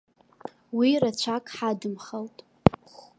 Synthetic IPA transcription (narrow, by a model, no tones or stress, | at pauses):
wirat͡ɕʷʰakʼħadɨmχaltʼ | χ